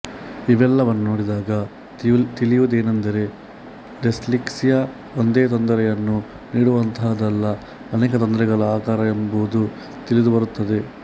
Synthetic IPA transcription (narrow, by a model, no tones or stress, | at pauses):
iʋɛlːɐʋɐnːunoːɽid̪aːɡɐ | t̪ilijud̪eːnɐnd̪ɐɾe̞ | lesliksijɐ | ond̪eːt̪ond̪ɐɾɛjɐnːu | niːɽuʋɐnt̪ʰaːd̪ɐlːɐ | ɐnɛːkɐt̪ond̪ɾɛɡɐɭɐaːkaːɾɐembuʋud̪u | t̪ilid̪ubɐɾut̪ːɐd̪e̞